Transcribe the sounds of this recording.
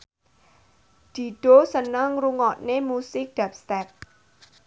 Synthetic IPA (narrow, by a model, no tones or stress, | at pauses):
d̪̥i̤ɖ̪̥osənəŋruŋɔʔnemusɪk̚d̥ap̚st̪ɛp̚